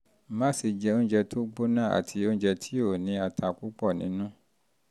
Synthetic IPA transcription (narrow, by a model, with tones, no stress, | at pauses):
mã˦si˧d͡ʒɛ˧õ˦d͡ʒɛ˧tʰo˦ɡ͡bo˦nã˦˨a̰˨tʰi˧õ˦d͡ʒɛ˧tʰi˦o˦˨nĩ˧˦a˨tʰa˧ku˦k͡pɔ˦˨nĩ˦nũ˦